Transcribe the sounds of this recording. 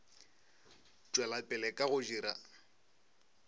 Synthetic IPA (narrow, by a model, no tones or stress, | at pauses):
t͡ʃʼwɛlapʼɪlɛkʼaɣʊd͡ʒiːɾa̰